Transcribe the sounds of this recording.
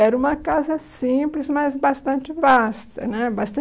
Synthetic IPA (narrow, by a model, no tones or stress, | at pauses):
ɛɾɐũmɐkazɐsĩplɪzmajzbast̪ɐ̃nt͡ʃɪvast̪ɐ̰nɛbast̪ɐ̃